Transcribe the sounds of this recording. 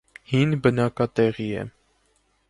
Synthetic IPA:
hinbənɑkɑt̪ɛʁiɛ̰

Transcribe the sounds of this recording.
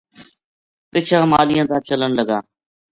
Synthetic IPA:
pɪt͡ʃʰãːmaːlɪjãːt̪ãːt͡ʃələnləɡaː

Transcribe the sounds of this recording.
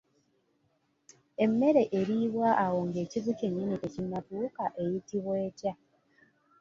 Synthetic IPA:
e̞mːe̞ɾe̞ʔeɾiβwaʔawo̞ŋɡe̞ːcizuceɲːinitecinːatuːkaʔe̞jitiβwe̞ːca

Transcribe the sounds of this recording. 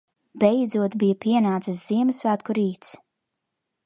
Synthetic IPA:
bɛjd̪zuɔt̪bijapiɛnaːt̪sɨsz̥iɛmɨsvæːt̪kuɾiːt̪s

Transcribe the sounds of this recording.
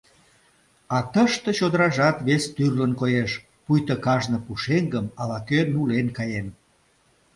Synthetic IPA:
ɑt̪əʃt̪et͡ɕod̪əɾɑʒɑt̪βest̪yrlənkojeʃ | pujt̪əkɑʒnə̆puʃeŋɡəmɑβɑkønulenkɑjen

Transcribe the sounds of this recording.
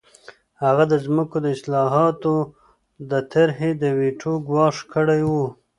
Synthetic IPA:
haɣad̪əzməkod̪əɪslɑɦɑt̪o | d̪ət̪ʰaɾɦed̪əweʈʰoɡwɑʂkəɽajwu

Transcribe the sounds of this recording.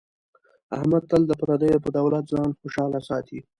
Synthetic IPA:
a̰hmad̪̚t̪əld̪əpaɾɑd̪əjopəd̪awlat̪zɑːnxoʃɑːlasɑːt̪ʰi

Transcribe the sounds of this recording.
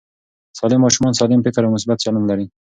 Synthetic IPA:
sɑlɪmːɑʃumɑnsɑlɪmpɪkɪɾawmʊsbat̪sɑlumlaɾi

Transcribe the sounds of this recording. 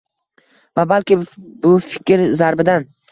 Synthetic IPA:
vabalkʲɪbʊfɪkʲʰɾzaɾbɪd̪an

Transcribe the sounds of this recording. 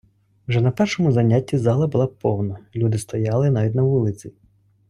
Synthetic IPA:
wʒɛnɐpɛrʃɔmʊzɐnʲatʲːizɑlˠɐbʊlˠɑpɔwnɐlʲud̪ɪst̪ɐjɑlˠɪnɑʋʲidʲnɐʋulˠɪt͡sʲi

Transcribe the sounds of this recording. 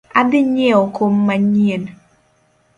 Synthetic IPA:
adɪɲeɔkʰomːaɲen

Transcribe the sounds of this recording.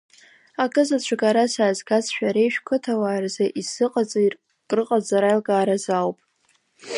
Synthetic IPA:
akʼɨzat͡ɕʷʰaɡaɾasaːzɡazʃᶣaɾejʃᶣkʷʰɨtʰawaːrzaʔisɨqʼat͡sʼar | kʼrɨqʼad͡zaɾajlɡaːɾazawpʼ

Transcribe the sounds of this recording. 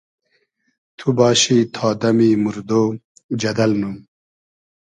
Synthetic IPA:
t̪ʰubɑːɕit̪ʰɑːd̪ɐmimuɾd̪oː | d͡ʒɐd̪ɐlnum

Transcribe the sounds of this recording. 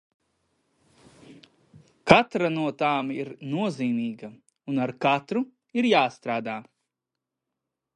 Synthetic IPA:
kat̪ɾanuɔt̪aːmiɾnuɔziːmiːɡɐ | unaɾkat̪ɾu | iɾjaːst̪ɾaːd̪aː

